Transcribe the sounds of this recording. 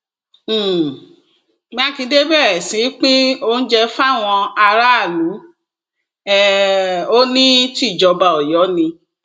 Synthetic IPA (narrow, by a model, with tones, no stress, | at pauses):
mĩ˧˦a˦˨ki˨˧˦de˦bɛ˦˨ɾɛ˨sĩ˨˦k͡pĩ˦o˦n̩˦d͡ʒɛ˧fa˦˨w̃ɔ̃˧a˧ɾa˦a˦˨lu˨˦ | ɛ˦˧o˦nĩ˦ti˦˨d͡ʒɔ˧ba˧ɔ˨jɔ˨˦nĩ˧